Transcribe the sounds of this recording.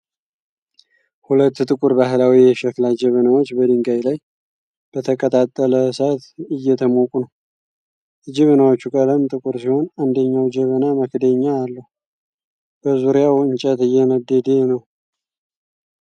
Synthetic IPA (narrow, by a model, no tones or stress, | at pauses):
hulət̪ːt̪ʼɨkʼuɾbaɦɨlawijɛʃɛklad͡ʒɛβənawot͡ʃːbəd̪ɨŋɡajlaj | b̥ət̪ʰəkʼət̪ʼat̪ʼːələsat̪ɨjːɛt̪ʰəmokʼunəw | d͡ʒɪβənawot͡ʃːukʼələmt̪ʼɨkʼuɾsiho̞nand̪əɲːawd͡ʒəβənaməkd̪əɲːaːlːəhu | b̥əzuɾijawɨɲt͡ʃʼət̪ɨjːɛməd̪ːəd̪enəw